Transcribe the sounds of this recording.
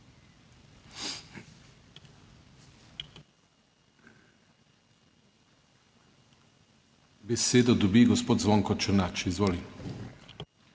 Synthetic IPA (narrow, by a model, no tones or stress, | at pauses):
bɛseːd̪ɔd̪ɔbiɡɔspoːt̪zʋɔŋkɔt͡ʃəɾnat͡ʃiizʋoːli